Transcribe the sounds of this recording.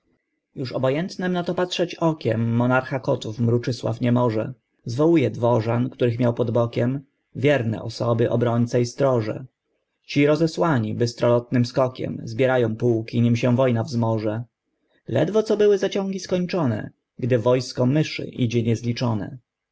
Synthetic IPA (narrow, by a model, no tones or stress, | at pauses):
juʂɔbɔjɛnt̪nɛmnat̪ɔpatʂɛt͡ɕɔkʲɛmːɔnaɾxakɔt̪ufmɾut͡ʂɘswa̰fɲɛmɔʐɛ | zvɔwujɛd̪vɔʐankt̪uɾɘxmʲjawpɔd̪bɔkʲɛm | vʲjɛɾnɛ̰ʔɔsɔbɘʔɔ̰bɾɔɲt̪sɛjst̪ɾɔʐɛ̰ | t͡ɕiɾɔzɛswaɲibɘst̪ɾɔlɔt̪nɘmskɔkʲɛ̰mzbʲjɛɾajɔ̃w̃puwkʲiɲimɕɛ̃vɔjnavzmɔʐɛ | lɛ̰d̪vɔt̪sɔbɘwɘzat͡ɕɔ̃ŋɡʲiskɔɲt͡ʂɔnɛ̰ | ɡd̪ɘvɔjskɔmɘʂɘ̰ʔid͡ʑɛɲɛzlʲit͡ʂɔnɛ̰